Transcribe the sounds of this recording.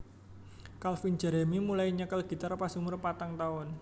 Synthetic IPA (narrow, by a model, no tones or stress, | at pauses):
kalfin̥d͡ʒ̥ɛ̤ɾɛmimulajiɲəkəlɡ̥i̤t̪arpasiŋmʊrpat̪aŋt̪aʊn